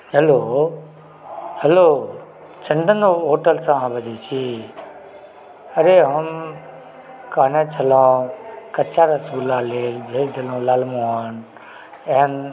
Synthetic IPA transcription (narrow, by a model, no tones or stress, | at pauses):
ɦəloː | həloː | t͡ʃʰəɳɖʱənd̪oɦoːʈəlsãːãːbʱəd͡ʒeːt͡ʃʰiː | əɾeːɦəm | kaːnẽːt͡ʃʰəlãːkət͡ʃaːɾasuːlaːleːlbʱeːsd̪ɪlõːlaːlmõːaːn | eɦən